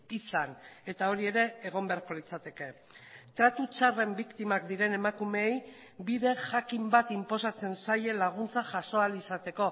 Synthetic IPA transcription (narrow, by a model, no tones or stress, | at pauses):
isane̞t̪ao̞ɾie̞ɾe̞ːɣ̞o̞mbe̞aɾko̞lit͡sat̪e̞ke̞ | t̪ɾat̪ut͡ʃare̞mbikt̪imakd̪iɾe̞ne̞makume̞j | biðe̞ʝakimbat̪impo̞sat͡se̞nsaje̞laɣ̞unt͡saʝaso̞alisat̪e̞ko̞